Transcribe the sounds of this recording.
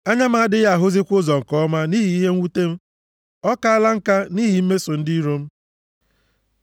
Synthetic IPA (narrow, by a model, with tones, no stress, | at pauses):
a˦ɲa˦ma˨a˦dɪ˦ja˦˨ɦʊ˦zi˦kʷʊ˦zɔ˨ŋ̩˨kɔ˦ma˦ni˦ɦi˦i˦ɦe˦ŋ̩˦u˦te˦m̩˦ | ɔ˦ka˦a˦la˦ŋ̩˦ka˦ni˦ɦi˨m̩˦me˦sʊ˨n̩˦di˦ɾo˦m̩˦